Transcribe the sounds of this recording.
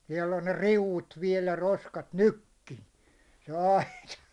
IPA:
siɛlː on ne riuʋːut ʋiɛl jæ roskɑt nykːi se ɑitɑ

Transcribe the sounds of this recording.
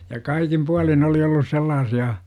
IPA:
jɑ kɑikim puɑlin oli olːus selːɑːsiɑ

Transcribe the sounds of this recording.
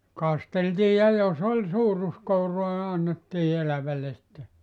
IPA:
kɑsteltiː jɑ jos olʲ suːruskouroɑ ni ɑnːetːiː elæʋælːe sitːe

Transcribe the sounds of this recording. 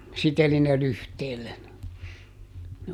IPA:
siteli ne lyhteːlːen ne

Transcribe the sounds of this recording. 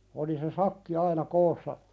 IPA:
oli se sɑkːi ɑinɑ koːsːɑ

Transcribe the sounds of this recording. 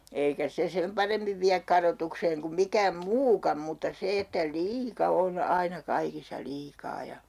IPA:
eikæ se sem pɑremːiʋ ʋiæk kɑrotukseːŋ kum mikæːm muːkɑm mutːɑ se etːæ liːkɑ on ɑinɑ kɑikisːɑ liːkɑː jɑ

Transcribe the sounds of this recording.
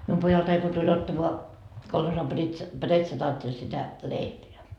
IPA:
mium pojɑltɑi ko tulʲ otːɑmoɑ kolhosɑm b̥ritsɑ bretsɑtɑːtːelʲ sitæ leipeæ

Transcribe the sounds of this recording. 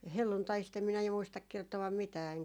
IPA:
helːuntɑist em minæ ju muistɑk kertoɑm mitæː eŋkæ

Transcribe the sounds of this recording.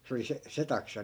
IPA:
se oli se se tɑksɑ

